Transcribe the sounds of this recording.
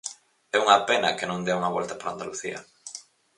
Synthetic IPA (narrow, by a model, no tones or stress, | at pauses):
ɛuŋɐpenɐkenõŋd̪euŋɐβɔlt̪ɐpoɾand̪aluθiɐ̰